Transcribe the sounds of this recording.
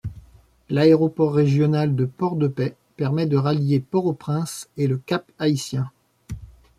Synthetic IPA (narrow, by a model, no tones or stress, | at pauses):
laeʁɔpɔʁːeʒjɔnald̪əpɔʁd̪əpɛ | pɛʁmɛd̪əʁaljepɔʁopχɛ̃seləkapaisjɛ̃